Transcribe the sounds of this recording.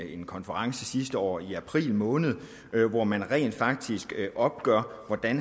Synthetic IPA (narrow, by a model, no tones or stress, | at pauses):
e̝nkʰɒ̽nfəʁɑ̈ŋsəsisd̥əɒ̰ːiæpʰʁḭːlmɔ̽ːnð̞̩ˠ | ʋɒmænʁɛ̰ːnd̥fɑ̈ɡ̥̚d̥isɡ̥ʔɒ̽b̥̚ɡ̥ɶɐ̰ʋɒd̥æn